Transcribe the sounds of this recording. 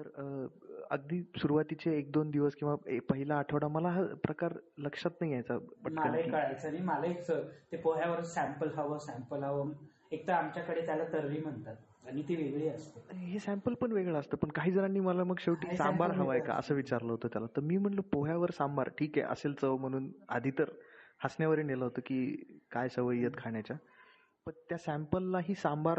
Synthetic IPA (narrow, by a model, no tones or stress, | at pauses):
t̪əɾəə̰ɡ̚d̪iːsuɾuʋat̪it͡ɕeːk̚d̪ond̪iʋəskĩw̃ʋaepəɦilaːʈʰəʋɽaməlaɦapɾəkaɾləkʂat̪naɦiajt͡sabəʈmʰaəlaikəɭajt͡səɽ̃imalait͡sət̪epoɦjaʋəɾsæmpəlɦəʋəsæ̃mpəlɦəʋəm | ek̚t̪əamt͡ɕjakəɽet̪jalat̪əɾʋiːm̤əɳt̪at̪̚ | aɽ̃it̪eʋeɡɭeːəst̪eɦesæ̃mpəlpəɳʋeɡɭəəst̪əːpəɳkaɦiːd͡zəɾaɳːiːməlaməɡɕeʋʈiːsambaɾɦəʋajka̰ʔə̰səːʋit͡ɕaɾləɦot̪əːt̪jalat̪əɾmiːm̤əɳləpoɦjaʋəɾsambaɾʈʰiːkḛʔə̰selt͡səm̤əɽ̃uːna̰d̪ʱit̪əɾhasnjaʋəɾeːneləɦot̪əkiːkajsəʋəjːət̪kʰaɳjat͡ɕa | pəɳt̪jasæmpəlːaɦiːsambaɾ